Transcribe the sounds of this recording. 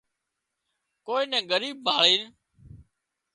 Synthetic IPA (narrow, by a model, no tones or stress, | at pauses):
koːiːnɛ̃ːɡəɾiːb̚baːɭiːn